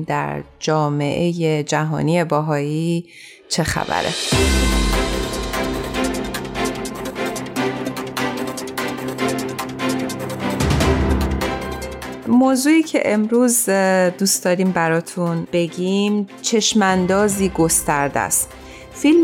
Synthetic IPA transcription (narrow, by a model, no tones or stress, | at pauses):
d̪æ̰ɾd͡ʒɒːme̞̰ʔejed͡ʒæɦɒ̰ːnie̞bæɦɒːiː | t͡ʃʰe̞xæ̰væ̰ɾḛ | moːzuːiːcʰe̞ʔemɾuːzd̪uːsd̪ɒːɾiːmbæɾɒːt̪ʰunb̥e̞ɟimt͡ʃʰe̞ʃmænd̪ɒːziːɡost̪æɾd̪æ̰st̪ | film